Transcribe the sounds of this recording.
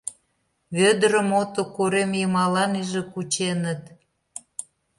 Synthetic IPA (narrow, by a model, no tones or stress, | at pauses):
βød̪əɾə̆mot̪okoɾemjəmɑlɑniʒĕkut͡ɕenət̪